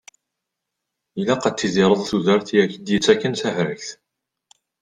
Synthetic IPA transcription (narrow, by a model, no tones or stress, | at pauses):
ilːæqɑt͡s̪ːizɪɾˤəðˤθuðəɾˤθijæçəd̪jət͡sːækːənθæhɾəçθ